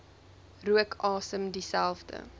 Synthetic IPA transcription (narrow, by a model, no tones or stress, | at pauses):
ruəkʰɑːsəmdisælˠfdə̰